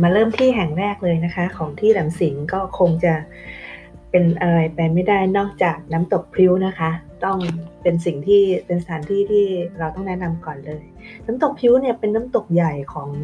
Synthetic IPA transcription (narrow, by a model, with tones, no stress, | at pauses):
maː˧ɾɤː˥˩mt̪ʰiː˥˩ɦɛ˨˩ŋɾɛː˥˩k̚lɤː˧jna˦˥kʰa˦˥kʰɔː˩˦ŋt̪ʰiː˥˩ɾaː˩˦msi˩˦ŋkɔː˥˩kʰo˧ŋt͡ɕa˨˩ | pe˧nʔa˧ɾa˧jpɛ˧jma˥˩jda˥˩jnɔː˥˩k̚t͡ɕaː˨˩k̚na˦˥mt̪o˨˩k̚pʰi˦˥wna˦˥kʰa˦˥t̪ɔ˥˩ŋpe˧nsi˨˩ŋt̪ʰiː˥˩pe˧nsa˧t̪ʰaː˩˦nt̪ʰiː˥˩t̪ʰiː˥˩ɾa˧wt̪ɔ˥˩ŋnɛ˦˥na˧mkɔː˨˩nlɤː˧j | naː˦˥mt̪o˨˩k̚pʰi˦˥wni˥˩ɐpe˧nːaː˦˥mt̪o˨˩k̚ja˨˩jkʰɔː˩˦ŋ